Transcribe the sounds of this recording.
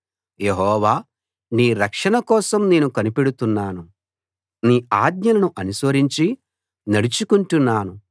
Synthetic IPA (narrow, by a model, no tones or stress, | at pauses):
je̞ɦɔːʋaː | niːɾɐkʂɐɳɐkɔːsɐmne̞ːnukɐnipeɽut̪unːaːnu | niːaːd̪ɲɐlɐnuʔɐnusʋɐɾiɲt͡ʃi | nɐɽit͡ʃukuɳʈunːaːnu